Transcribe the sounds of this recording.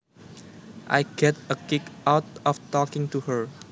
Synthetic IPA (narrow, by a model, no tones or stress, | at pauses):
ʔa̰jɡɛt̚əkɪkʔawtɔft̪ɔkɪ̃ŋtuhəɹ